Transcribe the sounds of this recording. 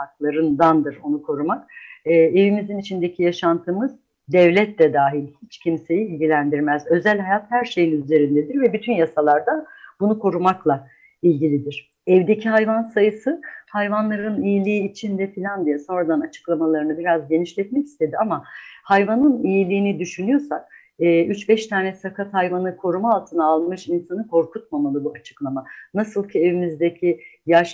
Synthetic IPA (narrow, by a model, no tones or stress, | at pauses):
aklˠaɾɯnd̪and̪ɯɾo̞nukʰo̞ɾumakː | e̞vimizinit͡ʃʰind̪ecʰijaʃant̪ʰɯmɯz | d̪ɛvlʲɛt̪lɛd̪aːɦilʲhit͡ʃcʰimse̞jiilʲɟilʲænd̪iɾmæzø̞zælʲhajat̪hæɾʃe̞jinyze̞ɾind̪ed̪iɾvɛbyt̪ʰynjasalˠaɾd̪ab̥unukʰo̞ɾumaklˠa | ilʲɟilʲid̪iɾ̝̥ | ɛvd̪e̞cʰiɦajvansajɯsɯhajvanlˠaɾɯnijilʲiːt͡ʃʰind̪ɛfilʲand̪ijaso̞nɾad̪anat͡ʃʰɯ̥klˠamalˠaɾɯnɯbiɾazɟe̞niʃlʲɛt̪̚mɛci̥st̪ʰe̞d̪iamahajvanɯnijilʲiːnid̪yʃynyjo̞sak̚ː | ʔyt͡ʃbɛʃt̪ʰaːnɛsakʰat̪hajvanɯkʰo̞ɾumaːlˠt̪ʰɯnaːlˠmɯʃinsanɯkʰo̞ɾkut̪̚mamalˠɯbuat͡ʃʰɯ̥klˠamanasɯlˠcʰie̞vimizd̪ecʰijaʃ